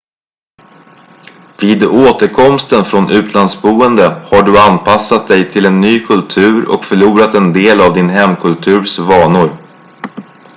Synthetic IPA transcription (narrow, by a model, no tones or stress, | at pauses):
viːd̪oːt̪əɾkʰɔmst̪ənfɾɔnʔʉ̟ːt̪ʰlansbuːənd̪əhaɖɵanpʰasːat̪̚d̪ɛjt̪ʰɪlɛnːyːkʰɵlt̪ʰʉ̟ːɾɔ̰kfœɭuːɾat̪ɛnd̪eːlavd̪ɪnɦɛmːkʰɵlt̪ʰʉ̟ːɾsvɑːɳʊɾ